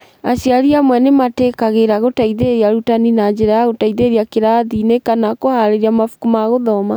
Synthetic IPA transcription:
aɕjaɾiamwɛnematekaɣeɾaɣotaiðeɾiaɾutaninad͡ʑeɾajaɣotaiðeɾiakeɾaːðinekanakohaɾeɾiamafu̥kumaɣoðɔma

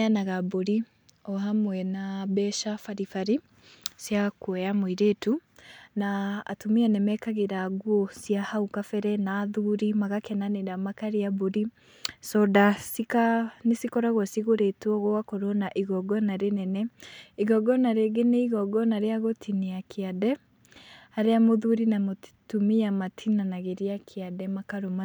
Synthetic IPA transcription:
anaɣaboɾi | ɔɦamwɛnabɛʃafaɾifaɾi | sjakwɛjamoiɾetuna̰ːtumiɛnɛmɛkaɣeɾaɣwɔsjahaukafɛɾɛnaːðuɾimaɣakɛnaneɾamakaɾeaboɾi | sɔdasikanesikɔɾaɣɔsiɣoɾetwɔɣɔwakoɾonaʔiɣɔɡɔnaɾenɛnɛiɣɔɡɔnaɾeɣeneiɣɔɡɔnaɾeaɣotʰineakʰeaðɛ | haɾeamoðuɾinamotumiamatʰinanaɣeɾeakʰeadɛmakaɾoma

